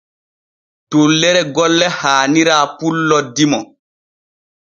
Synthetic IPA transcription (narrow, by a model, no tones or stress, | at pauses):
tolːɛɾɛɡɔlːɛhaːniɾaːpulːɔdimɔ